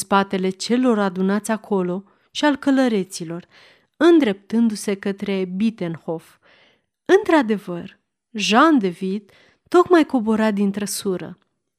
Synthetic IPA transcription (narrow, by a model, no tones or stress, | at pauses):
spat̪e̞le̞t͡ʃe̞lo̞rad̪unat̪sʲakʰo̞lo̞ | ʃialkələɾe̞t̪silo̞r | ɨnd̪ɾe̞p̚t̪ɨnd̪use̞kət̪ɾe̞bit̪e̞nho̞f | ɨnt̪ɾad̪e̞vər | ʒand̪e̞vid̪ː | o̞kmajko̞bo̞ɾad̪int̪ɾəsuɾə̰